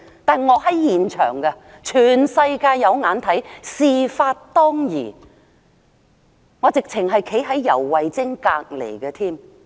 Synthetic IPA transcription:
t̪aː˨nŋɔː˨˧hɐ˨˥jjiː˨˩nt͡ʃʰœ̰ː˨˩ŋkɐ˧ | t͡ʃʰyː˨˩nsɐ˧jkaː˧jjɐ˨˧wŋaː˨˧˥nt̪ʰɐ˨˥jsiː˨˧faː˧t̚t̪ɔː˥ŋjiː˨˩ | ŋɔː˨˧t͡sɪ˨k̚t͡sʰɪ˨˩ŋɦɐ˨jkʰe˨˥jɦɐ˨˥jːɐ̰˨˩wːɐ˨jt͡sɪ˥ŋkaː˧k̚lḛ˨˩jkɛ˧t̪ʰiː˥m

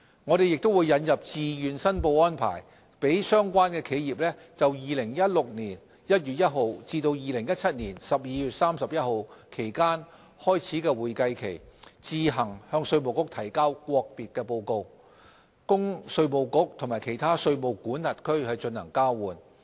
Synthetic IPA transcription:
ŋɔː˨˧ɾe˨jɪ˨k̚t̪o˥wuː˨˧jɐ˨˧njɐ˨p̚t͡siː˨jyː˨nsɐ˥npo˧wɔː˥npʰa̰ː˨˩j | pe˨˥jsœː˥ŋkʷaː˥nkɛː˧kʰe˨˧jjiː˨p̚lɛː˥ | t͡sɐ˨wjiː˨˧lɪ˨˩ŋjɐ˥t̚lʊ˨k̚niː˨˩n | jɐ˥t̚jyː˨t̚jɐ˥t̚ɦo˨wt͡siː˧t̪o˧wjiː˨˧lɪ˨˩ŋjɐ˥t̚t͡sʰɐ˥t̚niː˨˩nsɐ˨p̚jiː˨˧jyː˨t̚saː˥msɐ˨p̚jɐ˥t̚ho˨˧wkʰe˨˩jkaː˥n | hɔː˥jt͡sʰiː˨˥kɛː˧wuː˨˩jkɐ˧jkʰe˨˩jt͡siː˧ɦɐ˨˩ŋhœː˧ŋsɵ˧ɥmo˨wkʊ˥k̚t̪ʰɐ˨˩jkaː˥wkʷɔː˧k̚piː˨t̚kɛː˧po˧wko˧w | kʊ˥ŋsɵ˧ɥmo˨˩wkʊ˥k̚t̪ʰʊ˨˩ŋmaː˨˩jkʰe˨˩jt̪ʰaː˥sɵ˧ɥmo˨wkuː˨˥nːɐ˨t̚kʰɵ˥ɥhɐ˨jt͡ʃɵ˧nhɐ˨˩ŋkaː˥wwuː˨n

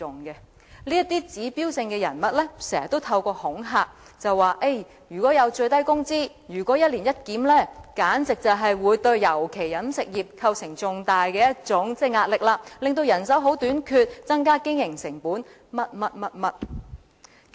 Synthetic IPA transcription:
ʊ˨ŋkɛ˧ | liː˥jɐ˥t̪iː˥t͡siː˨˥piː˥wsɪ˧ŋkɛː˧jɐ˨˩nmɐ˥t̚lɛ˥sɛː˨˩ɐ˨t̪ːo˥wt̪ʰɐ˧wkɔː˧hʊ˨˥ŋɦaː˧k̚ | t͡sɐ˨wːaː˨ʔe˥˩j | jyː˨˩kɔː˨˥jɐ˨˧wt͡ʃɵ˧ɥt̪ɐ˥jkʊ˥ŋt͡siː˥ | jyː˨˩kʷɔː˨˥jɐ˥t̚liː˨˩njɐ˥t̚kiː˨˥mlɛː˥˩kaː˨˥nt͡sɪ˨k̚t͡sɐ˨wɦɐ˨jwuː˨˧jt̪ɵ˧ɥjɐ˨˩wkʰe˨˩jːɐ˨˥nsɪ˨k̚jiː˨p̚kʰɐ˧wsɪ˨˩ŋt͡sʊ˨ŋt̪aː˨jkɛː˧jɐ˥t̚t͡sʊ˨˥ŋt͡sɛː˥˩jŋaː˧t̚lɪ˨k̚laː˧lɪ˨ŋt̪̬o˧wjɐ˨˩nsɐ˨˥wɦo˨˥wt̪yː˨˥nkʰyː˧t̚t͡sɐ˥ŋkaː˥kɪ˥ŋjɪ˨˩ŋsɪ˨˩ŋpuː˨˥n | mɐ˥t̚mɐ˥t̚mɐ˥t̚mɐ˥t̚

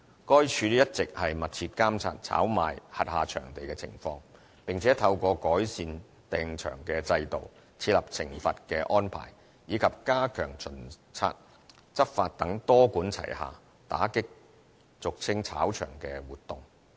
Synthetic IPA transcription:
kɔː˥jt͡ʃʰyː˨˧˦jɐ˥t̚t͡sɪ˨k̚hɐ˨jmɐ˨t̚t͡sʰiː˧t̚kaː˥mt͡sʰa̰ː˧t̚t͡sʰa̰ː˨˥wma̰ː˨jhɐ˨t̚haː˨t͡ʃʰœ̰ː˨˩ŋt̪e˨jkɛː˧t͡sʰɪ̰˨˩ŋfɔː˧ŋ | pɪ˨˩ŋt͡sʰɛː˨˥t̪ʰɐ˧wkɔː˧kɔː˨˥jsiː˨˧n | t̪ɛː˧ŋt͡ʃʰœ̰ː˨˩ŋkɛ˧t͡sɐ˧jt̪o̰˨w | t͡sʰiː˧t̚lɐ˨˩p̚t͡sʰɪ˨˩ŋfɐ˨t̚kɛː˧ʔɔː˥npʰa̰ː˨˩j | jiː˨˧kʰɐ˨p̚kaː˥kʰœ̰ː˨˩ŋt͡sʰɵ˨˩nt͡sʰa̰ː˧t̚ | t͡sɐ˥p̚fa̰ː˧t̚t̪ɐ˨˥ŋt̪ɔː˥kuː˨˥nt͡sʰɐ̰˨˩jha̰ː˨ | t̪a̰ː˨˥kɪ˥k̚ | t͡sʊ˨k̚t͡sʰɪ˥ŋt͡sʰa̰ː˨˥wt͡ʃʰœ̰ː˨˩ŋkɛː˧wuː˨t̚t̪ʊ˨˩ŋ

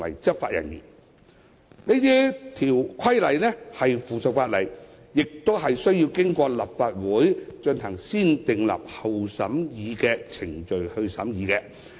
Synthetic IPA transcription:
wɐ̰˨˩jt͡sɐ˥p̚fa̰ː˧t̚jɐ̰˨˩njḭː˨˩n | ne˥t̪iː˥t̪ʰiː˨˩wkʰɐ˥jlɐ˨˩jnɛ˥hɐ˨jfuː˨˩sɵ˨k̚faː˧t̚lɐ̰˨˩j | jɪ˨k̚t̪o˥wɦɐ˨jsɵ˥ɥji˧wkɪ˥ŋkʷɔː˧lɐ̰˨pfaː˧t̚wuː˨˥jt͡ʃɵ˧nɦɐ˨˩ŋsiː˥nt̪ɪ˨ŋlɐ̰˨p̚hɐ˨wsɐ˨˥mjiː˨˧kɛː˧t͡sʰɪ˨˩ŋt͡ʃɵ˨ɥhɵ˧ɥsɐ̰˨˥mjiː˨˧kɛ˧

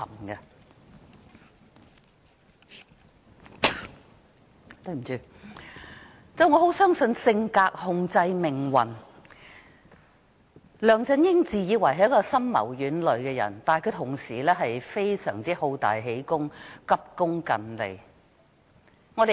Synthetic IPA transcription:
ɐ˨˩mɡɐ˧ | t̪ɵ˧m̩˨˩t͡ʃyː˧ | t͡sɛ˥ŋɔː˨˧ɦo˨˥wsœː˥ŋsɵ˨˧nsɪ˧ŋkaː˧k̚hʊ˧ŋt͡sɐ˧jmɪ˨˩ŋwɐ̰˨˩n | lœː˨ŋt͡sɐ˧njɪ˥ŋt͡siː˨˩jiː˨˧wɐ˨˩jɦɐ˨jkɔː˧sɐ˥mmɐ̰˨˩wjyː˨˥nlɵ˨˧ɥkɛː˧jɐ̰˨˩nt̪aː˨nhkʰɵ˨˧˥t̪ʰʊ˨˩ŋsiː˨˩lɛː˥ɦɐ˨jfe˥jsœ̰ː˨˩ŋt͡siː˥ho˨˧wt̪a̰ː˨jɦe˨˥jkʊ˥ŋkɐ˥p̚kʊ˥ŋkɐ˨nlḛ˨˩j | ŋɔ˨˧e˨

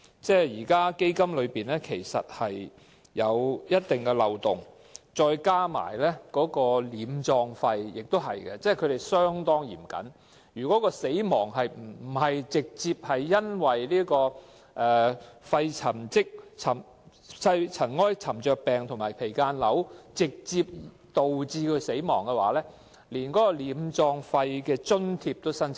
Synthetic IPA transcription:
t͡sɛː˥jiː˨˩kaː˥ke˥jkɐ˥mlɵ˨˧ɥpiː˨nlɛː˥kʰe˨˩jsɐ̰˨t̚hɐ˨jː | ɐ˨˧wjɐ˥t̚t̪ɪ˨ŋkɛ˧lɐ˨wt̪ʊ˨˩ŋ | t͡sɔː˧jkaː˥ma̰ː˨˩jlɛː˥kɔː˨˥kɔː˧liː˨˧˥mt͡sɔː˧ŋfɐ˧jjɪ˨k̚t̪o˥wɦɐ˨jkɛ˧t͡sɛː˥˨kʰɵ˨˧ɾe˨jsœː˥ŋt̪ɔː˥ŋjḭː˨˩mkɐ̰˨˥n | jyː˨˩kɔː˨˥kɔː˧se˨˥jmɔː˨˩ŋɦɐ˨jm̩˨˩˨hɐ˨jt͡sɪ˨k̚t͡siː˧p̚hɐ˨jːɐ˥nwɐ˨˩jliː˥kɔː˧ | ʔɛː˨fɐ˧jt͡sʰɐ˨˩mt͡sɪ˥k̚t͡sʰɐ˨˩m | sɐ˧jt͡sʰɐ˨˩nŋɔː˥jt͡sʰɐ˨˩mt͡ʃœː˨˧k̚pɛː˨ŋt̪ʰʊ˨˩maː˨˩jpʰe˨˩jkaː˧nlɐ˨˥wt͡sɪ˨k̚t͡siː˧p̚ | t̪o˨wt͡siː˧kʰɵ˧se˨˥jmɔː˨˩ŋkɛ˧wa̰ː˨˥lɛː˥ | liː˨˩nkɔː˨˥kɔː˧liː˨˧mt͡sɔː˧ŋfɐ˧jkɛː˧t͡ʃɵ˥nt̪ʰiː˧p̚t̪o˥wsɐ˥nʰ

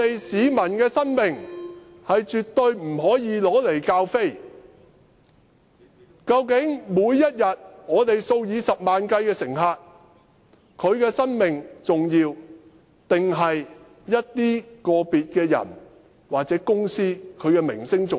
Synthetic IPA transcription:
t̪e˨jsiː˨˧mɐ˨˩nkɛː˧sɐ˥nmɪ˨ŋ | hɐ˨jt͡ʃyː˨t̪̚ɵ˧ɥm̩˨˩ɦɔː˨˥jiː˨˧lɔː˨˥le˨˩jkaː˧wfe˥j | kɐ˧wkɪ˨˥ŋmuː˨˧jːɐ˥t̚jɐ˨t̚ŋɔː˨˧t̪e˨jso˧wjiː˨˧sɐ˨p̚maː˨nkɐ˧jkɛː˧sɪ˨˩ŋɦaː˧t̚ | kʰɵ˨˧ɥkɛː˧sɐ˥nmɪ˨ŋt͡sʊ˨ŋjiː˧w | t̪ɪ˨ŋɦɐ˨j | jɐ˥t̚t̪iː˥kɔː˧piː˨t̚kɛː˧jɐ̰˨˩n | waː˨k̚t͡sɛː˨˥kʊ˥ŋsiː˥kʰɵ˨˧ɥkɛː˧mɪ̰˨˩ŋsɪ˥ŋt͡sʊ˨

